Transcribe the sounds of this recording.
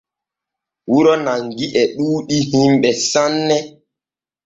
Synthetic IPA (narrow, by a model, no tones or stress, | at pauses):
wuɾɔnaŋɡiʔɛɗuːɗihimɓɛsanːɛ